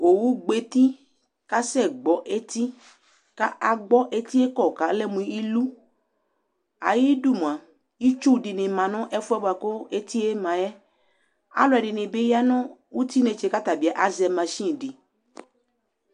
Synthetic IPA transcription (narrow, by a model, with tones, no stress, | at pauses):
o˨wu˦ɡ͡be˦t̪i˦ | ka˦sɛ˦˨ɡ͡bɔ˨ʔe˦t̪i˦ | ka˦ʔa˨ɡ͡bɔ˦ʔe˦t̪i˦e˦kɔ˦˨ka˨˦lɛ˦˨mũ˨˦i˦lu˦ | a̰˨ji˦du˦˨mũ˨ã˨ | ji˦t͡ʃu˦˨di˨nɪ̃˨mã˨nɔ̃˦ʔɛ˦fu˦ɛ˦ba˨kɔ˦e˦t̪i˦e˦mã˨jɛ˦ | a̰˦lɔ˦ɛ˨ɖɪ˨nɪ̃˨be˦ja˦nɔ̃˦wu˦t̪i˦ne˨t͡ʃe˨ka˦t̪a˨bi˨a˨ʔa˨zɛ˨mã˨ʃĩ˦˨di˨